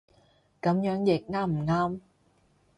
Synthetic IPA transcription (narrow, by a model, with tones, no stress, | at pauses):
kɐ˨˥mjœː˨˥ŋjɪ˨˩k̚ŋaː˥m̩˨˩ŋaː˧˥m